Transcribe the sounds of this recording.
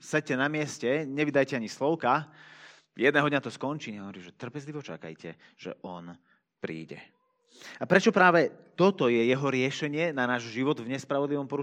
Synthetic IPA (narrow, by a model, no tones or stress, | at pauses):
sɛc̚cɛnamɪɛscɛɲɛʋid̪ajcɛaɲislɔʊka | jɛd̪nɛːɦɔd̪ɲat̪ɔskɔnt͡ʃiːɲɛɦɔʋɔɾiːmʒɛt̪r̩pɛzliʋɔt͡ʃa̰ka̰jcɛ̰ | ʒ̥ɛ̰ʔɔn | pɾḭːɟɛ̰ | apɾɛt͡ʃɔpɾaːʋɛt̪ɔt̪ɔjɛjɛɦɔɾɪɛʃɛɲɪɛnanaːʒʒiʋɔd̪vɲɛspɾaʋɔd̪liʋɔmpɔɾu